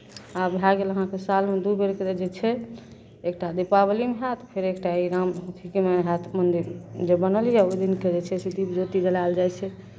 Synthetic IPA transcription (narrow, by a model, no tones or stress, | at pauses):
abʱaɡeləɦãkesalmed̪ubeɾkeed͡ʒet͡ʃʰɛ | ek̚ʈad̪ipaβəlimeɦat̪ʰpʰeɾekʈaiɾamɦuk̪ʰikemeɦat̪ʰmənd̪iɾd͡ʒebənəljɛojd̪inked͡ʒet͡ʃʰɛsed̪ipd͡ʒot̪id͡ʒəlald͡ʒajt͡ʃʰɛ